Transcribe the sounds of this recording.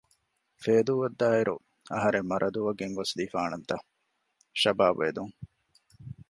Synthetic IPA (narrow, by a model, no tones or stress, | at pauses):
feːd̪uːʋɐd̪ːaːiɾu | ɐɦɐɾemːɐɾʔɐd̪uʋɐɡeŋɡosliːfaːnɐnt̪ɐ | ʃɐbaːbʋḛːd̪uŋ